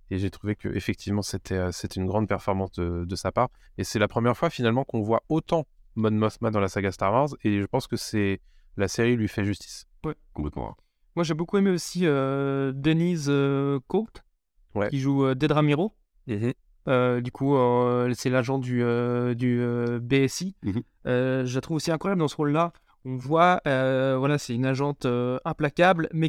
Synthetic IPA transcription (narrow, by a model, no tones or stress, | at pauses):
eʒet̪χuvekə̰ʔefɛk̚t̪ʰivmɑ̃set̪ʰɛøset̪ɛynɡʁɑ̃d̪pɛʁfɔʁmɑ̃sd̪əd̪əsapaʁ | esɛlapχəmjɛʁfwafinalmɑ̃kɔ̃vwaot̪ɑ̃ | mɔnmɔsmad̪ɑ̃lasaɡast̪aʁvaʁzeʒəpɑ̃skəsɛ | laseʁilɥifɛʒyst̪i̥s | wɛkɔ̃plɛt̪mɑ̰̃ | mwaʒebokuemeosiød̪enizøkut̪ | wɛ̰iʒuød̪ed̪ʁamiʁo | ød̪ykʰuøsɛlaʒɑ̃d̪yød̪yøbeɛsi | øʒəlat̪χuvosiɛ̃kχwajabld̪ɑ̃səʁolːa | ɔ̃vwaøvwalasɛynaʒɑ̃t̪øɛ̃plakʲablmɛ